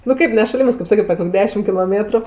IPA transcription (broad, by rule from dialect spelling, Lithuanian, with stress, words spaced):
nʊ ˈkɐɪp nʲɛ ʃɐˈlʲɪmɜs kɐɪp ˈsɑːkʲɛt pʲɛr ˈkoːkʲ ˈdʲæːʃʲɪm kʲɪlˠoːˈmʲeːtrʊ